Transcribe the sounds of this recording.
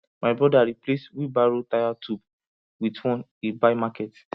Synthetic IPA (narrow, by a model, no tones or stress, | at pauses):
maɪbɹɔdaɾiplestwibaɹotajatʰub | witwɔ̃n | ebamakɛt